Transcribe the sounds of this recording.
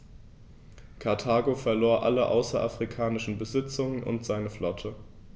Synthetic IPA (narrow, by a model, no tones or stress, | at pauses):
kʰaɐtʰaːɡofɛɐloːɐʔa̰ləʔa̰ʊsɐʔa̰fʁ̥ikʰaːnɪʃn̩bəzɪt͡sʊŋənʔʊ̰ntz̥aɪnəflɔtʰə